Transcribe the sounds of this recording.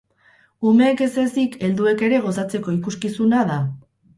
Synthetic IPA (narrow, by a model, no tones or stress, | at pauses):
ume̞ːke̞se̞sike̞ld̪ue̞ke̞ɾe̞ɣ̞o̞s̬at͡se̞ko̞ikuskisunaða